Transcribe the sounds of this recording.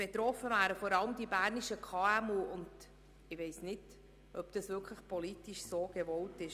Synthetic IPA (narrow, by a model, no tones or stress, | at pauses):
b̥et̪ɾɔfəvæːɾəfɔɾɑləmd̥̪ibæːɾniʃəkʰɑːæmuːʊnd | ɪʋeɪsnɪt | ʔœpd̥̪ɑsʋɪɾkʰləχpɔlitiʃsoːɡ̥evɔltɪʃ